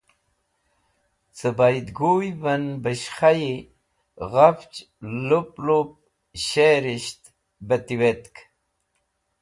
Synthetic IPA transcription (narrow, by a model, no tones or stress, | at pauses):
t͡səbajd̪ɡujvənbəɕχaji | ɣaft͡ɕ | luplup̚ | ɕeɾiɕt̪ | bət̪iwet̪k